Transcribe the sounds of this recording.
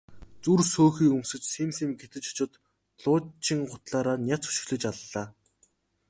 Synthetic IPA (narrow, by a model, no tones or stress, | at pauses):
t͡sursoːxiːkɵmsɵ̆t͡ɕsemsiːmɡet̪ɘ̆t͡ɕʊ̥t͡ɕʊ̆t̪ | ɮʊːt͡ɕĭŋɢʊt̪ɮaːɾaːnʲjat͡su̥ʃɪ̆xɮɘ̆t͡ɕaɮaː